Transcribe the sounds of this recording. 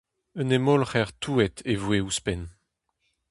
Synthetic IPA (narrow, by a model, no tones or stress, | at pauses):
ənemolχɛʁt̪ʰuɛt̪ʰevweuspɛn